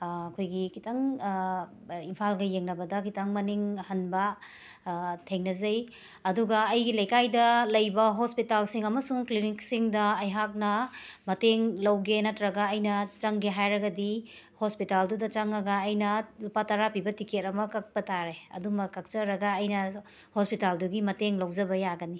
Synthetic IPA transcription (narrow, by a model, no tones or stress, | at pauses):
ɐkʰojɡikʰitɐŋ | impʰalɡɐjeŋnɐbɐdɐkitɐŋmɐniŋhɐnbɐ | tʰeŋnɐzɐj | ɐduɡɐɐjɡilɐjkajdɐlɐjbɐɦospitalsiŋɐmɐsuŋklinik̚siŋdɐɐjɦak̚nɐmɐteŋlɐwɡenatɾɐɡɐːjnɐt͡ʃɐŋɡeɦajɾɐɡɐdi | hospitaldudɐt͡ʃɐŋːɐɡɐːjnɐlupatɐɾapibɐtiket̚ɐmɐkɐk̚pɐtʰaɾeɐ̰dumɐkːɐk̚t͡ʃɐɾɐɡɐːjnɐ | hospitalduɡimɐteŋlɐwd͡ʒɐbɐjaɡɐni